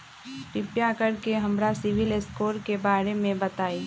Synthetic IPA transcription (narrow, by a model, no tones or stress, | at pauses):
ʈɪpjakəɾkeɦɐmɾasɪʋɪleskoːɾkebaːɾemẽbət̪aːiː